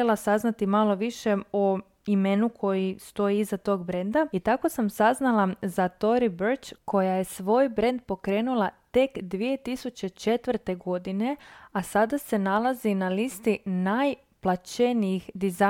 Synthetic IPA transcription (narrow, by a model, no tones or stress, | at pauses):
elasaznat̪imalo̞ʋiʃeo | ime̞nukʰo̞jist̪o̞iizat̪o̞ɡbɾe̞nd̪ait̪ako̞samsaznalˠazat̪o̞ɾibəɾt͡ʃkʰo̞jaje̞sʋo̞ːjbɾe̞nd̪̚po̞kɾe̞ːnulˠat̪e̞kd̪ʋije̞t̪isut͡ɕe̞t͡ʃe̞t̪ʋr̩t̪e̞ɡo̞d̪ine̞asad̪ase̞nalˠazinalist̪inaj | plˠat͡ʃe̞nijixd̪iza